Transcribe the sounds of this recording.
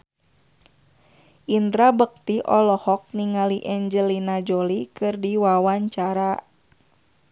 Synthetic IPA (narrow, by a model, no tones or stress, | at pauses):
ʔindɾabək̚t̪iʔɔlɔhɔk̚niŋaliʔɛɲd͡ʒəlinad͡ʒolikɨrdiwawaɲt͡ʃaɾa